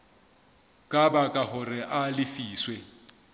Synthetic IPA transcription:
kʼabakʼaɦʊrɪʔalɪfiːswɛ

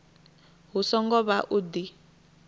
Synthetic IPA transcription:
ɦusɔŋɡɔβaʔud̪i

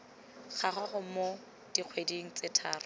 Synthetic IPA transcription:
χʰaχaχʊmo | d̥iq͡χʰwediŋ̩t͡sɪtʰaːrʊ

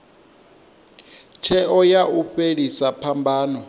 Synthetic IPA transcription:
t͡ʃʰɛɔjauɸeɺisapʰambʱaːnɔ

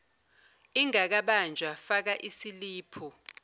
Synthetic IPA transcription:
iŋak̬aɓand͡ʒʱwafak̬aʔisiliːpʰu

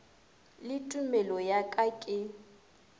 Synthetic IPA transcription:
lɪtʼumɛlɔjakʼakʼɪ

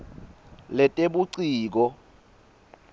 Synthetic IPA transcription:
lɛtʼeɓuǀiːk̬ɔ

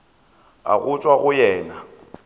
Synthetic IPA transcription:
a̰ɣʊt͡sʼwaɣʊjɛːna

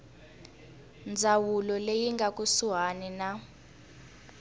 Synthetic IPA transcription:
nd͡zʱawulɔlejiŋɡʱakʼusuɦanina

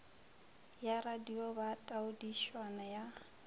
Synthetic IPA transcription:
jaradiɔbatʼaʊdiʃwanaja

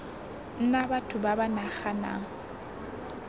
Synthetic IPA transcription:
n̩nabatʰʊbabanaχana̰ŋ̩

